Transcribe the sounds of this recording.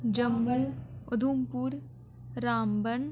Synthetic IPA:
d͡ʒɐmbəlʊd̪ʱuːmpuːɾ | ɾaːmbən

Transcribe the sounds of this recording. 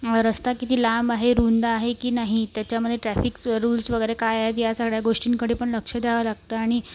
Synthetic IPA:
ɾəst̪akit̪iːlambaɦeɾund̪aːɦekiːnaɦit̪jat͡ɕjaməd̪ʱːjeʈɾæfikɾuːlsʋəɡəjɾekajaɦet̪jasaɡɭjaɡoʂʈiːnkəɽiːpəɳləkʂəd̪ʱjaʋəlaɡ̚t̪əaɽ̃i

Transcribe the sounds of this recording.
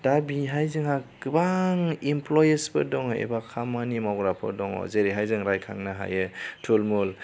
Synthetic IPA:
d̥abiɦajzɯŋaɡɯbaŋimplɔjesbɯdɔŋḛbakʰamanimawɡɾapʰɯ̰dɔŋɔ̰zeɾiɦajzɯŋɾajkʰa̰ŋnaɦa̰jɯtʰulmul

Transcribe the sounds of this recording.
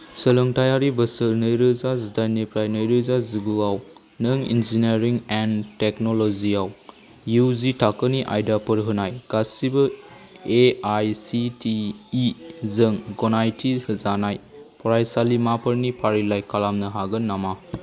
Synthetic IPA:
səlɯŋtajaɾibɐsɯlnɯjɾɯzazudajnipʰɾajnɯjɾɯzaziɡuaw | nɯŋḭnzineɾiŋenteknoloziaw | juzitʰakːɯniʔa̰jdapɯɾɦɯnajɡ̥asibɐ | eajsitiː | zɯŋɡɔnajtʰihɯzanajpʰɔɾajsalimapʰɐɾnipʰaɾilajkalamnɯɦaɡɯnːama

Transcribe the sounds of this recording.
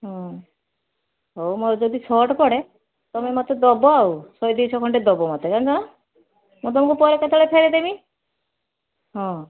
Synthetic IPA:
ɦɔ̃ | ɦowmɔɾd͡ʒɔd̪isɔʈpɔɽe | t̪ɔmemɔt̪ɔd̪ɔbɔawsɔjd̪iwt͡ʃʰɔkʰɔɳʈed̪ɔbɔmɔt̪ekand͡ʒɔɽ̃ɔ | mũt̪ɔmɔ̃ŋkupɔɾekɔt̪ʰɔɭepʰeɾid̪emi | ɦɔ̃

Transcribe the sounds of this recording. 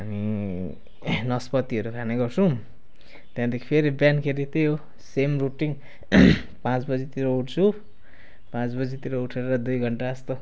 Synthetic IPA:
ɦami | nʌspʌt̪iʌɾukʰaneɡʌrt͡sʰũ | t̪jãd̪ekʰi̥pʰeɾibjankʰeɾit̪eɦo | semruʈiŋ | pãt͡sbʌd͡zit̪iɾouʈt͡sʰu | pãt͡sbʌd͡zit̪iɾouʈʰeɾeɾʌd̪ujɡʱʌɳʈaːst̪o

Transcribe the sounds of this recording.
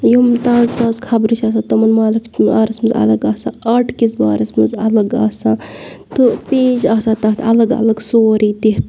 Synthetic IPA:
jumt̪ãːzt̪ãːzkʰɐbɾɨt͡ʃʰaːs̬ãːt̪ɨmɐnmaːlikʰt͡ʃaːɾɐsmɨzɐ̰lɐɡaːsã̰ːɐːʈʰkisba̰ːɾɐsmɨzɐlɐɡa̰ːsãː | t̪ɨpeːd͡ʒaːt̪ʰaːt̪ãːt̪ʰɐlɐɡɐ̰lɐɡsoːɾiːd̪eɦt̪

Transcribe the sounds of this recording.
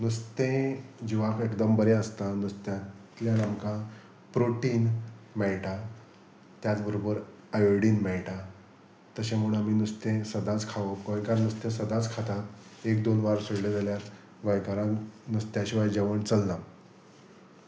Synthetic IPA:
nust̪ẽd͡ʑiʋakekd̪əmbəɾeəst̪anust̪jãt̪ljanamkã | pɾoʈinmɛɭʈa | t̪jat͡sbəɾobəɾ | əjɽiːnmɛɭʈa | t̪əɕem̤uɽ̃amiːnust̪ẽsəd̪at͡skʰaʋəpkojkaɾnust̪ẽsəd̪at͡skʰat̪at̪ekd̪onʋaɾsuɽled͡zaljaɾ | ʋəjkaɾãnust̪jãɕiʋajd͡ʑəʋəɳt͡səlːa

